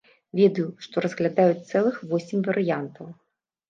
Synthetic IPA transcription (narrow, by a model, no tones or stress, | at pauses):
vʲɛd̪ɐjuʂt̪ɔɾɐzɣlʲad̪ajut͡sʲt̪sɛlˠɨxvɔsʲimʲvɐɾɨjant̪ɐw